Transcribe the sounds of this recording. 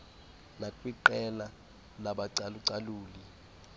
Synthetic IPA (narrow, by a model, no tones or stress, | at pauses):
nakʼwiǃɛla | laɓaǀaluǀaluːli